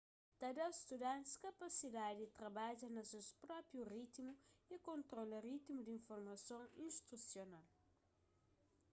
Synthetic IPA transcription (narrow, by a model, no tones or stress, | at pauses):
t̪ɐd̪ɐwz̥st̪ud̪ãnt̪skɐpɐsid̪ad̪ɪt̪ɾɐbaʒɐnɐsewspɾɔpɾjurit̪muikõnt̪ɾolɐɾit̪imud̪ĩɱfoɾmɐsõŋĩʃt̪ɾusjonal